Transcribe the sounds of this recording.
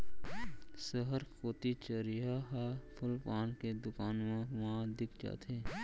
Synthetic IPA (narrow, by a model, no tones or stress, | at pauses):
səɦəɾkoːt̪it͡ʃəɾiɦaɦapʰʊlpaːnked̪ʊkaːnmãʋɐɦãd̪ɪkʰd͡ʒa̰ːt̪ʰeː